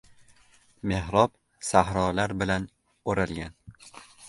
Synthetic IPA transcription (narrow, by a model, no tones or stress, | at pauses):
me̞ɦɾɒb̚ | sahɾɒlaɾbɪlan | oɾalɡʲan